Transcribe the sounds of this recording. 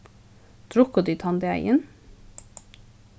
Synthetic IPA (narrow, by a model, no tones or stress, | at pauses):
d̪̥ʰɾʊkɔd̪yt̪ʰɑnd̪əæ̰ɪʔən